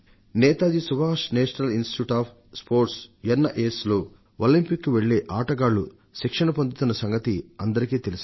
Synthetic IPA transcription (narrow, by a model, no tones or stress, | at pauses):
nɛːt̪aːd͡ʒ̪isuʋaːʂneːʂɐnɐlinsʈi̥juːʈaːpʰ | spʰo̞ːɾʈsjɐnːɐʔeːsloː | olimpikːuʋeɭːeːʔaːʈɐɡaːɭːu | ʃikʂɐnɐpond̪it̪unːɐsɐŋɡɐt̪iɐnd̪ɐɾikiːt̪elis